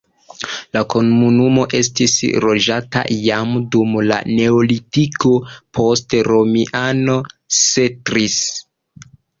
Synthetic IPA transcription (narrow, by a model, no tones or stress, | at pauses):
lako̞nmunumo̞ʔe̞stisɾo̞d͡ʒata̰jamdumla̰ne̞olitiko̞pʰo̞stɾo̞miʔano̞setɾis